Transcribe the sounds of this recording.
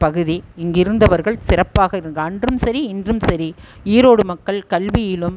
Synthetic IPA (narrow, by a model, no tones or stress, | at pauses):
pɐɣɯðiɪŋɡɪɾɯnd̪ɐʋɐɾɣɐɭsɪrɐpːaːɣɐɪɾɯnrɐndrɯmsɐɾiɪndrɯmsɐɾi | iːɾoːɽɯmɐkːɐɭkɐlʋɪjɪlɯm